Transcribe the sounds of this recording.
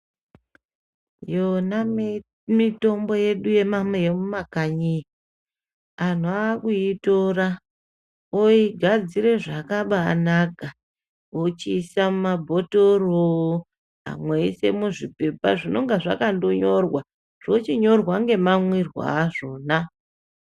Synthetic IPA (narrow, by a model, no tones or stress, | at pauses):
jona | mito̞mbo̞je̞ɗuje̞mamejemumakaɲi | an̤uakuitora | oiɡʱad͡ziɾe̞ʐakaɓaːnaɡʱa | ot͡ʃisamumabʱo̞toro | a̰mweise̞̰muʐipe̞paʐino̞ŋɡaʐakandoɲo̞rwa | ʐ̥o̞t͡ʃiɲo̞rwaŋɡe̞mamwirwa̰ːʐo̞ːna